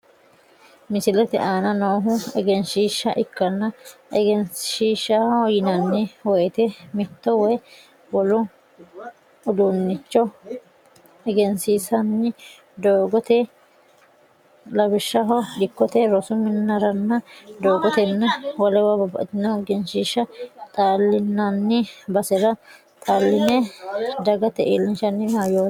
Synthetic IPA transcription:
mɪsɪlɛt̪ɛ̰ʔaːnɐnoːɦʊɛɡɛnʃiːʃːɐʔɪkːɐnːɐɛɡɛnʃiːʃɐhɔjɪnɐnːɛwɔjt̪ɛmɪt̪ːɔwɔj | wɔlʊ | ʊd̪unːɪt͡ʃːɔ | ɛɡɛnsiːsɐnːɪ | d̪oːɡɔt̪ɛ | lɐbɪʃːɐɦɔᶑɪkːɔt̪ɛɾɔsʊmɪnːɐɾɐnːɐd̪oːɡɔt̪ɛnːɐwɔlɛwɐbɐbɐ̰ʔt̪ɪnoɡɛnʃiʃːɐt̪ʼaːlːɪnːɐnːɪbɐsɛɾɐ | t̪ʼaːlːɪnɛd̪ɐɡɐt̪ɛʔḛːlːɪnʃɐnːɪmajoː

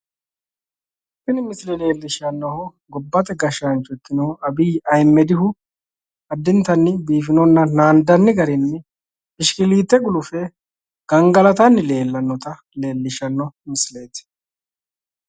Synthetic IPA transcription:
fɪnmɪslɛle̞ːlːɪʃɐnːɔhɔ | ɡɔbːɐt̪ʼɛɡɐʃant͡ʃːʊɛt̪ːɪnɔɐbiːɐjmːɛd̪ɪhʊ | ɐd̪ːɪnt̪ɐnːɪbiːfɪnɔnːɐnaːnd̪ɐnːɪɡɐɾɪnːɪ | ɪʃkɪliːt̪ːɛɡʊlʊfɛ | ɡ̥ɐŋɡɐlɐt̪ɐnːɪle̞ːlːɐnːɔt̪ɐ | le̞ːlːɪʃɐnːɔmɪsle̞ːt̪

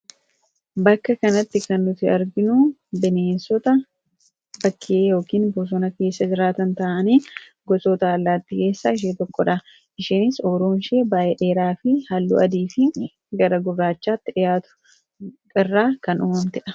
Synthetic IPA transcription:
bɐkːɐkɐnɐt̪ːɪkɐnːʊt̪ɪɐɾɡɪnʊbɪneːnsɔt̪ɐ | bɐkːɪʔeːjo̞ːkiːnboːs̬ɔnɐke̞ːsːɐd͡ʒɪɾaːt̪ɐnt̪ɐʔɐniː | ɡɔsot̪ɐɐlːaːt̪ːiːke̞ːsːaːɪʃ̬eːt̪ɔkːɔᶑɐ | ʔɪʃiːnɪsoːɾoːnʃeːbaːʔeᶑe̞ːɾaːfɪhalːṵʔɐd̪iːfɪ | ɡɐɾɐɡʊbaːt͡ʃːaːt̪ːɪᶑɪjaːt̪ʊ̥ | kʼɪrːaːkɐnʊmɐmt̪ɪᶑɐ̥

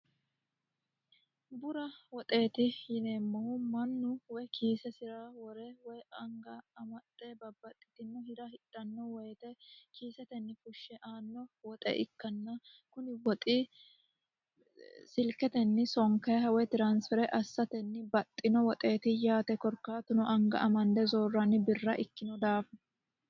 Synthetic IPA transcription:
bʊɾɐwɔt̪ʼe̞ːt̪ɪjɪne̞ːmːɔhʊmɐnːʊwɔjkʰiːsɛsɪɾaːwɔɾɛwɔjɐŋɡɐɐmɐt̪ʼːɛbɐbːɐt̪ʼːɪ̥t̪ɪnːɛhɪd̪ɐhɪt̪ʼːɐnːɔwɔjt̪ɛkiːsɛt̪ɛnːɪfʊʃːɛʔaːnːɔwɔt̪ʼɛ̰ʔɪkːɐnːɐ | kʊnɪwɔt̪ʼɪ | sɪlkɛt̪ɛnːɪsɔŋkɐhɐwɛt̪ɪɾansfɛɾɛʔɐsːɐt̪ɛnːɪbɐt̪ʼːɪnɔwɔt̪ʼe̞ːt̪ɪjaːt̪ɛkɔɾkːaːt̪ʊnɔʔɐŋɡɐ̰ʔɐmɐnd̪ɛzoːrːɐnːɪbɪrːɐʔɪkːɪnɔd̪aːf

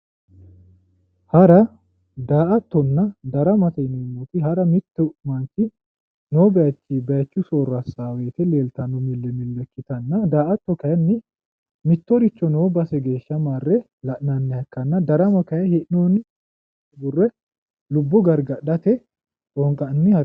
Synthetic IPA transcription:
hɐɾɐ | d̪aːʔɐt̪ːɔnːɐd̪ɐɾɐmɐt̪ɛɪnʊmːʊt̪ɪɦɐɾɐmɪt̪ːɛʔmɐnt͡ʃːɪ | noːbɐjɐt͡ʃːibɐjɐt͡ʃːʊsoːrɐsaːweːt̪ɛle̞ːlt̪ɐnʊmɪlːɛmɪlːɛkːɪt̪ɐnːɐd̪aːʔɐt̪ːɔkɐjɐnːɪ | mɪt̪ːɔɾɪt͡ʃːɔnoːbɐsɛɡe̞ːʃːɐmaːrːɛ | lɐʔnɐnːɛɐkːɐnːɐd̪ɐɾɐmɐkɐjɛhɛʔnoːnːɪ | bʊrːɛ | lʊbːɔɡɐɾɡɐɗɐt̪ɛ | tʼɔŋkʼɐnːɪhɐ

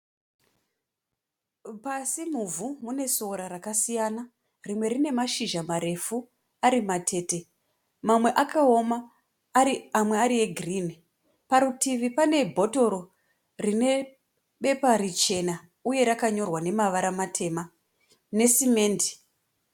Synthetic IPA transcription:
pasimuvʱumune̞soɾaɾakasijana | rimwe̞ɾine̞maʃiʒamaɾe̞fu | aɾimatʰe̞ːte̞ | mamwe̞ʔakaoma | amwe̞aɾie̞ɡʱrini | paɾutiʋipane̞bʱo̞to̞ɾo̞ | rine̞ | ɓe̞paɾit͡ʃe̞na | uje̞ɾakaɲo̞rwane̞maʋaɾamatʰe̞ma | ne̞sime̞ːndi̥

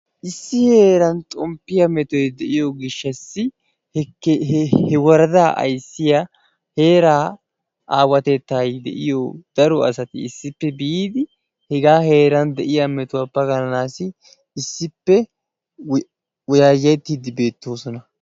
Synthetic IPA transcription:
ʔɪsːɪhe̞ːɾɐnt̪ʼɔmpːɪjɐmɛt̪ɔjd̪ɛʔɪjɔɡɪʃːɐsːɪ | h | hɛwɐɾɐd̪aːʔɐ̰jsːɪjɐ | he̞ːɾaː | ʔaːwɐt̪ɛt̪ːaːjd̪ɛ̰ʔɪ̰jɔd̪̥ɐɾɔɐsɐt̪ɪ̰ːsːɪpːɛbɪiːd̪ɪ | hɛɡaːhe̞ːɾɐnd̪ɛʔɪjɐmɛt̪ʊwɐpːɐɡɐnɐnaːsɪ | ɪsːɪpːɛ | wɔjaːjɐjt̪ːiːd̪ɪbe̞ːt̪ːo̞ːsɔnɐ

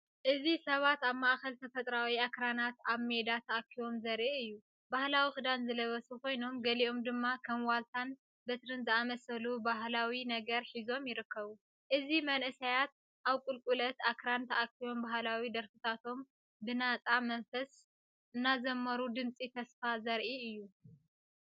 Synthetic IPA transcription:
ʔɨzisɐβat̪aβmaʔxɐlt̪ʰɐfɐt̪ʼɾawiakɾanat̪aβme̞d̪at̪ʰɐʔakʰːiwo̞mzɐɾʔɨjːu | bahlawixɨd̪anzɨlɐβɐsuko̞jno̞mɡɐlio̞md̪ɨmːakʰɐmwalt̪ʰan | bɨt̪ɾɨnzɨamɐsɐlubaɦlawinɐɡɐɾħizo̞mjɪɾɨkʰːɐβu | ʔɨzimɐnʔɨsajat̪̚ | ʔaβkʼulkʼulɐt̪ʔakɾant̪ʰɐʔakːiwo̞mbaɦlawid̪ɐɾfɨt̪ʰat̪ʰo̞m | bɨnat͡sʼamɐnfɐs | ɨnːazɐmːɐɾud̪ɨnt͡sʼit̪ʰɐsfazɐɾʔiɨjːu

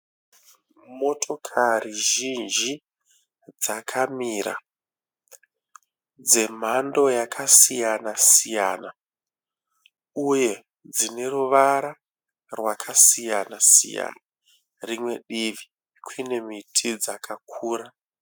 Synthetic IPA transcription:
mo̞tʰo̞kʰariʒind͡ʒi | d͡zakʰamiɾa̰ | d͡ze̞m̤ando̞jakʰasijanasijaːna | uje̞ | d͡zine̞ɾuʋaɾa | rwakʰasijanasḭja̰na | rimwe̞ɗiʋi | kʰwine̞mitʰid͡zakʰakʰuːɾa

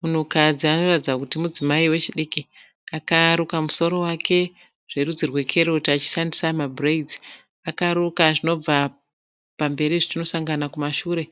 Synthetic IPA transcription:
munukad͡ziano̞ratid͡zakutimud͡zimaiwe̞t͡ʃiɗeki | akaɾukamuso̞ɾo̞wakʰe̞ | ʐ̥e̞rud͡zirwe̞kʰe̞ɾoutiat͡ʃi̥ʃandisamabʱreid͡zi | akaɾukaʐino̞b͡va | pambe̞ɾiʐitino̞saŋɡanakumaʃuːɾe̞

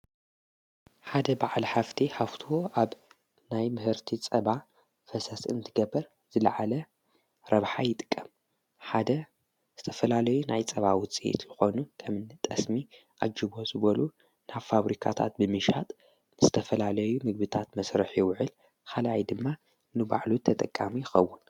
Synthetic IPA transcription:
ħad̪ɐbaʕalħaft̪ʰiħaft̪ʰoaβ | najmɨhɨɾt̪ʰit͡sʼɐβa | fɐsɐsɨ̰nt̪ʰɨɡɐbːɐɾ | z̥ɨlɐʕalɐ | ɾɐβħajɪt̪ʼɨ̥kʼːɐm | ħad̪ɐ | z̥ɨt̪ʰɐfɐlalɐjunajt͡sʼɐβawʊt͡sʼiḛt̪jɨxo̞nuk̪ʰɐmɨnt̪ʼɐsmiʔad͡ʒiβo̞zɨβɐlu | naβfaβɾikʰa̰t̪ʰa̰t̪̚bɨmɨʃat̪ʼ | nɨzɨt̪ʰɐfɐlalɐjumɨɡ̚bɨt̪ʰat̪mɐsɾɨħjɪwʊʕɨl | kʰalajd̪ɨmːa | nɨba̰ʕlut̪ʰɐt̪ʼɐkʼːamijɪxɐwːʊn

